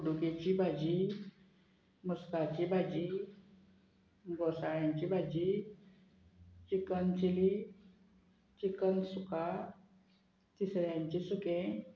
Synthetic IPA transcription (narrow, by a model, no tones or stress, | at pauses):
uɽuket͡ɕibʱad͡ʑi | muskat͡ɕibʱad͡ʑi | ɡɔsaɭjãɲt͡ɕibʱad͡ʑi | t͡ɕikənt͡ɕili | t͡ɕikənsuka | t̪isɾjãɲt͡ɕisukẽ